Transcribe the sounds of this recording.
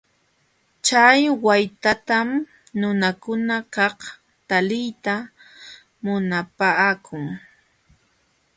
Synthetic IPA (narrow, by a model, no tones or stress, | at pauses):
t͡ʃajwajt̪at̪am | nʊnakʊnakɑh | t̪alɪjt̪a | mʊnapaːkʰʊŋ